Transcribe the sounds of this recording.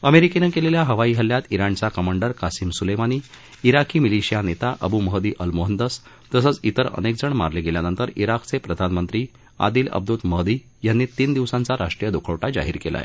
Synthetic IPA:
əmeɾikenekeleljaɦəʋaiːɦəlːjat̪iɾaɳt͡sakəmaɳɖəɾkasimsulemaniː | iɾakʰiːmiliɕijanet̪aʔəbuːməɦd̪iːʔəlmoɦənd̪əs | t̪əsət͡sit̪əɾə̰nek̚d͡zəɳma̰ɾleɡeljanənt̪əɾiɾakt͡sepɾəd̪ʱanmənt̪ɾiː | a̰d̪iːlə̰b̚d̪ut̪məɦd̪iː | janːiːt̪iːnd̪iʋsãnt͡saɾaʂʈɾijəd̪okʰəʋʈad͡ʑa̰ɦiːɾkela̰j̰

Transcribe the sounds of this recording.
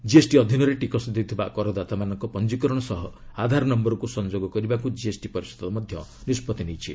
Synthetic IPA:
d͡ʒiesʈiɔd̪ʱjɔnɔɾeʈikɔsd̪ewt̪ʰibakɔɾɔd̪at̪amanɔŋkɔpɔnd͡ʒikɔɾɔɽ̃ɔsɔɦɔad̪ʱaɾɔnɔmbɔɾɔkusɔnd͡ʒoɡɔkɔɾibakud͡ʒiesʈipɔɾisɔ̥d̪ɔmɔd̪ʱjɔnispɔt̪inejt͡ʃʰi

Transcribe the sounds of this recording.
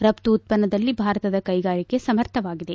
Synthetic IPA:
ɾɐpt̪uːt̪̚pɐnːɐd̪ɐlːibʱaːɾɐt̪ɐd̪ɐkɐjɡaːɭike̞sɐmɐɾt̪ʰɐʋaːɡid̪e̞

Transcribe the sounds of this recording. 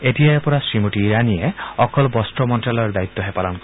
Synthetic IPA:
etiaepɔɾasɾimuʈiːɾanieɔkɔlbɔsʈɔmɔnʈalɔɾd̪ait̪ːɔɦepalɔnkɔ

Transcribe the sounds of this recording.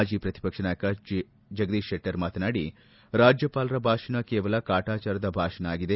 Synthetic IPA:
ad͡ʒiːpɾɐt̪i̥pɐkʂɐnaːjɐkɐ | d͡ʒɐɡd̪iːʃeʈːɐɾmaːt̪ɐnaːɽi | ɾaːd͡ʒjɐpaːlɐɾɐbʱaːʂɐnɐkeːʋɐlɐkaːʈaːt͡ʃaːɾɐd̪ɐbʱaːʂɐnɐaːɡid̪e

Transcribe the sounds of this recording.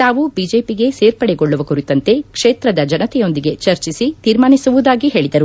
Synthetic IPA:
t̪aːʋubiːd͡ʒe̞ːpiɡe̞seːɾpɐɽɛɡoɭːuʋɐkuɾit̪ːɐnt̪e̞kʂeːt̪ɾɐd̪ɐd͡ʒɐnɐt̪ɛjo̞nd̪iɡe̞t͡ʃɐɾt͡ʃisit̪iːɾmaːnisuʋud̪aːɡiɦe̞ːɭid̪ɐɾu

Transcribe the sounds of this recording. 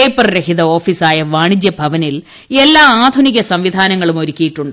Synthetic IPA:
ejpːɐrɾeɦiðɐo̞ːfiːsaːjɐʋaːɳid͡ʑjɐbʱɐʋɐnil | e̞lːaːaːd̪ʱuniɣɐsɐmʋid̪ʱaːnɐŋːɐɭumo̞ɾukʲːijiʈːuɳɖɨ

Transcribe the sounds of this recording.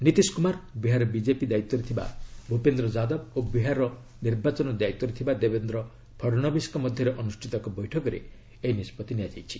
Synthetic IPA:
nit̪iskumaɾbiɦaɾɔbid͡ʒepid̪ait̪ːɔɾet̪ʰiba̰bʱupend̪ɾɔd͡ʒad̪ɔbobiɦaɾɔ | niɾbat͡ʃɔnɔd̪ajt̪ːɔɾet̪ʰibad̪ebend̪ɾɔ | pʰɔɾñɔbiskɔmɔd̪ʱjɔɾeʔɔnusʈʰit̪ɔkɔbɔjʈʰɔkɔɾḛ | einispɔt̪iniad͡ʒajt͡ʃʰi̥

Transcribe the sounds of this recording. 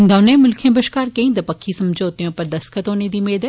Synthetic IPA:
ɡ̪ɐʋneːmʊlkʰjẽbəʃkaːɾkẽĩːd̪ɐpəkʰːisɐmd͡ʒoːt̪ijõpɐɾd̪ɐskʰət̪oːned̪iːmeːd̪ə

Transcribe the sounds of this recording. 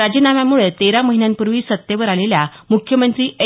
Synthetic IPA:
ad͡ʑənamjamuɭet̪eɾaməɦinjãnpuɾʋiːsət̪ːeʋəɾaleljamukʰjəmənt̪ɾiːʔe

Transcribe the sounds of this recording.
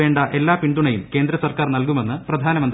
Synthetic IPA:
e̞ːɳɖɐʔe̞lːaːpiɳɖ̪uɳɐjumkeːnd̪ɾɐsɐrkaːrnɐlkume̞nːɨprɐd̪ʱaːnɐmɐnd̪

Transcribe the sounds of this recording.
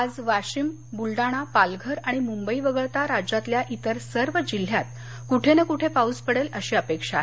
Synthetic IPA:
ad͡zʋaɕim | bulɖaɽ̃apalɡʱəɾaɽ̃imumbəiʋəɡəɭt̪aɾad͡ʑat̪ljaʔit̪əɾsəɾʋəd͡ʑil̤ːjat̪ | kuʈʰenəkuʈʰepaud͡zpəɽeləɕiːəpekʂa

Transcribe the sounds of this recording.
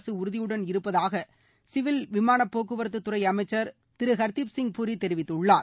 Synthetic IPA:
sɯʊɾɯðɪjɯɽɐnɪɾɯpːɐðaːɣɐ | sɪʋɪlʋɪmaːɳɐpːoːkɯʋɐɾɐt̪ːɯt̪ːʊɾɐɪɐmɐɪt͡ʃːɐɾ | t̪ɪɾɯɣɐɾt̪ipsɪŋ̚pʊɾit̪ːɛɾɪʋɪt̪ːɯɭːaːɾ

